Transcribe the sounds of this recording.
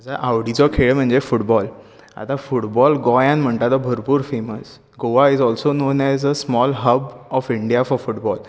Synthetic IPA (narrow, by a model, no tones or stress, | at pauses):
d͡zaʔaʋɽit͡sɔkʰeɭəm̤əɳd͡zefuʈbɔl | a̰t̪ãfuʈbɔlɡɔjãnm̤əɳt̪at̪ɔbʱəɾpuːɾfeməs | ɡoʋaizɔlsononɛzəsmɔlɦəbɔfiɳɖijafɔɾfuʈbɔl